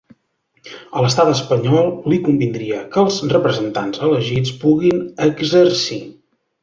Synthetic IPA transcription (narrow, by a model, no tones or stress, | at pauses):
ələst̪at̪əspəɲɔlˠlikumbind̪ɾiəkəlˠzrəpɾəzənt̪a̰nzələʒit͡spuɣinəɡzərsi